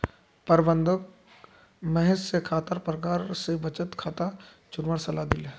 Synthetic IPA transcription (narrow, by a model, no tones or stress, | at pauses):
pəɾbə̃nd̪ʱək | mɛɦessekʰaːt̪əɾpɾəkaːɾsebət͡ʃət̪kʰaːt̪a | t͡ʃʊnməɽsɐlad̪ɪle